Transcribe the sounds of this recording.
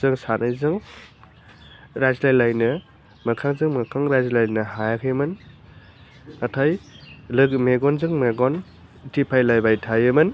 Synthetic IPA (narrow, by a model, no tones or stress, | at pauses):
zɯŋsanɯjzɯŋ | ɾajzlajlajnɯ | mɐkʰaŋzɯŋmɐkʰaŋɾajzlajnɯhajakʰɯjmɯn | atʰajlɯɡmeɡɔnzɯŋmeɡɔn | tʰipʰajlajbajtʰajɯmɯn